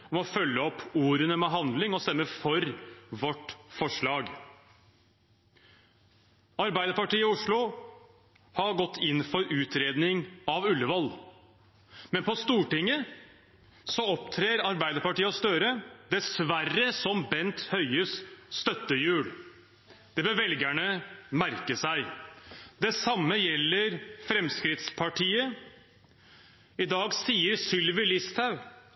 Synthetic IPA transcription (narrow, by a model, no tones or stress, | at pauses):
ɔmɔfœlːəɔpʰːuːɾənəmɛɦɑnd̪lɪŋɔst̪ɛmːəfɔɾʋɔʈfɔʂɭɑːɡ | ɑɾbæɪd̪əɾpɑʈiːəʊʂɭʊ | hɑɡɔt̪ʰːɪnːfɔɾʉːt̪ʰɾeːd̪nɪŋɑʋʉlːəʋɔl | mɛnpʰɔst̪uːʈɪŋːə | sɔɔpt̪ʰɾeːɾɑɾbæɪd̪əɾpɑʈiːəɔst̪øːɾəd̪ɛsʋærəsɔmbɛnt̪hœʏəsːt̪œt̪ːəjʉːɽ | d̪̥ɛbøʋɛlɡæɳəmæɾkəsæɪ | d̪ɛsɑmːəjɛlːəɾfɾɛmskɾɪt̪spʰɑʈʰiːə | ɪd̪ɑːɡsiːəɾsʏlʋɪlɪst̪ʰɑʉ